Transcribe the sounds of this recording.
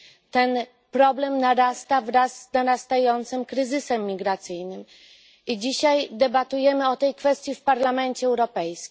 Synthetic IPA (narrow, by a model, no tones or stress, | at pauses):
t̪ɛn | pɾɔblɛmnaɾast̪avɾazːnaɾast̪ajɔnt̪sɘmkɾɘzɘsɛmːʲiɡɾat̪sɘjnɘm | id͡ʑiɕajd̪ɛbat̪ujɛmɘɔt̪ɛjkfɛst̪ʲjifpaɾlamɛnt͡ɕɛɛwɾɔpɛjskʲ